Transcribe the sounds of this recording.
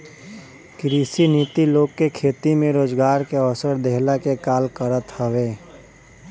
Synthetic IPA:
kɾiːsiniːt̪iloːɡ̚kekʰeːt̪imẽɾoːd͡ʒɡaːɾkeɔsəɾd̪eɦlakekaːlkəɾət̪həʋeː

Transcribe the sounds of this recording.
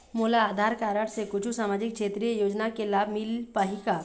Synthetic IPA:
muːlaːd̪ʱaːɾkaːɾəɽsekʊt͡ʃʰusaːmaːd͡ʒɪkkʃeːt̪ɾijəjoːd͡ʒnakelaːbʱmɪlpaɦika

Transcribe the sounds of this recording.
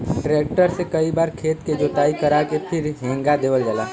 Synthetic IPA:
ʈɾeːk̚ʈəɾsekɐibaːɾkʰeːt̪ked͡ʒoːt̪aːikəɾakepʰɪɾɦẽːŋɡad̪eːʋəld͡ʒaːlaː

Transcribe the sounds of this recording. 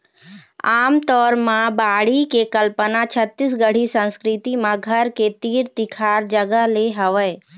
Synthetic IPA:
aːmt̪ɔːɾmãbaːɽikekəlpənat͡ʃʰət̪ːisɡəɽ̤isə̃nskɾɪt̪imãɡʱəɾket̪iːɾt̪ɪkʰaːɾd͡ʒəɡəɦleɦəʋə

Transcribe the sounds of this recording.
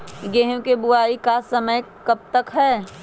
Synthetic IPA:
ɡeɦkebʊaːikasɐməjkɐb̚t̪əkɦɛː

